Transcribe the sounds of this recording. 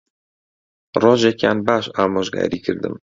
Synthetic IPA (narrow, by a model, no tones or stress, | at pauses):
roːʒekja̰ːnbaːʃaːmoʒɡa̰ːɾiːkʰɨɾd̪ɨ̰m